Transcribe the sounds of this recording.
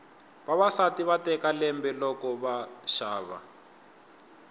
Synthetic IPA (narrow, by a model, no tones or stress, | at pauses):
βaβasatiβatɛkalɛmbɛlɔkɔβaʃaːβa̰